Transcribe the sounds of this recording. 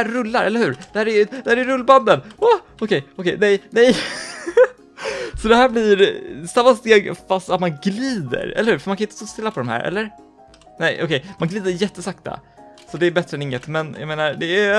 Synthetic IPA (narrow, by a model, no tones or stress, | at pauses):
æːɵlːaɾʔɛ̰lːəɾhʉ̟ːɾd̪ɛhæːɾæjd̪̥ɛhæːɾɛjɾɵlːband̪ənɔ | ɔkʰɛjɔkʰɛjnɛjnɛj | sɔd̪ɛɦæːɾblɪɾsamːast̪eːfast̪at̪manɡliːd̪ə̰ɾɛ̰lːəhʉ̟ːɾfœmankanɪt̪ə̥st̪oːst̪ɪlːapʰɔd̪ɔmhæ̰ːɾʔɛ̰lːəɾ | nɛɪʔɔ̰kʰɛjmanɡliːd̪əɾjɛt̪ːəsakt̪a̰ | sɔd̪ɛːɾbɛt̪ɾəɛnɪŋːət̪mɛnjɑ̰meːnaɾd̪ɛæ